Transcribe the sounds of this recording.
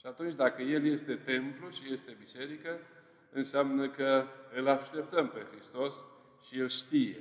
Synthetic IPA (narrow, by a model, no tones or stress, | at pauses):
ʃiat̪unt͡ʃʲd̪akəje̞lje̞st̪e̞t̪e̞mpluʃije̞st̪e̞bise̞ɾikə | ɨnseamnəkəɨlaʃt̪e̞p̚t̪əmpe̞xɾist̪o̞s | ʃielʃt̪ije̞̰